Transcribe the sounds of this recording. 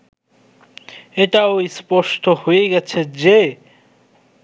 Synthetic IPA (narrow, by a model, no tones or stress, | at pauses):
eʈaojspɔʃʈʰohojeɡɛt͡ɕʰed͡ʑe